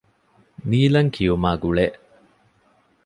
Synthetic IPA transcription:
niːlɐŋkʰijumaːɡuɭe

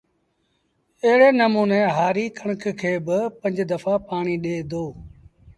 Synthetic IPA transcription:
əɦɪɽeːnəmuːneːɦaːɾiːkʰəɳ̃əkʰkʰeːbɪpə̃ɲd͡ʒd̪əfapaːɳ̃iːɗeːd̪oː

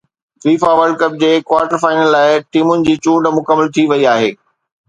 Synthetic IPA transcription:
fɾiːfaʋəɾɖ̚kɐp̚d͡ʑeːkʋaːɾʈəɾfaːɪnəlːaːɪʈiːmʊnɪ̆d͡ʑiːt͡ɕũːɖmʊkəmːəlt̪ʰiʋɐiaːɦeː

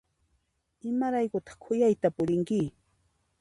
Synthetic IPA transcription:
ɪmaɾajkʊt̪ɑ̥χkʰʊjajt̪apʊɾɪŋkɪ

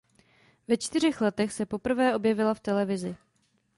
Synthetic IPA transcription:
vɛt͡ʃt̪ɪr̝ɪxlɛt̪ɛxsɛpo̞pr̩vɛːʔobjɛvɪlaft̪ɛlɛvɪzɪ

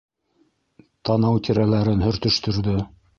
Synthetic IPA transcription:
t̪ɑnɑwt̪ʲiɾælæɾɘnhɵ̆ɾt̪ɵ̆ʃt̪ɵ̆ɾðɵ

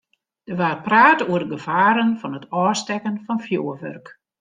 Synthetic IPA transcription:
d̥ərʋaːrpraːtoərdəɡəv̥aːɾənfɔnətʰɔːstɛkənfɔnfjoːəʋø̰rk

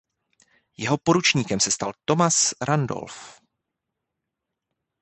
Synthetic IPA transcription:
jɛɦo̞po̞ɾut͡ʃɲiːkɛmsɛst̪alt̪o̞masɾando̰lf

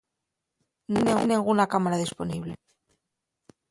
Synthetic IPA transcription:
nnĩŋnĩŋɡunakamaɾaðisponiβlḛ

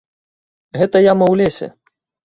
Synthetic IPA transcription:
ɣɛt̪ɐjamɐwlʲɛsʲɛ̰

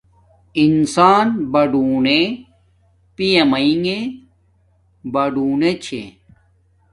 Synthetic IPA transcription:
insaːnbɐɖuːne | pijɐmɐiŋe | bɐɖuːnet͡ɕʰḛ

